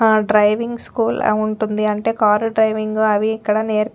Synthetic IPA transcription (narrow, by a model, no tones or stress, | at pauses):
ɖɾɐjʋiŋɡskuːluɳʈund̪iɐɳʈe̞ːkaːɾɖɾɐjʋiŋɡɐʋiːkːɐɽɐneːɾ